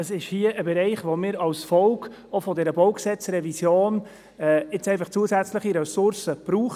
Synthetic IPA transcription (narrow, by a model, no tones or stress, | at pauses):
əsɪʃhiəʔəbɛɾɛɪχʋomɪːɾɑwsfɔlk | ofɔdɛːɾəbɔʊksɛt͡srɛvisjoːn | ɛːɪt͡sɛɪfɑχt͡suəsæt͡sləχiɾɛsʊɾsəb̥ɾuːχ